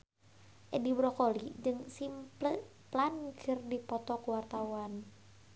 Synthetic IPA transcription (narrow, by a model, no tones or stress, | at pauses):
ʔɛdibɾɔkɔlid͡ʒɨŋsimplə | plankʰɨrdipɔt̪ɔkuwart̪awan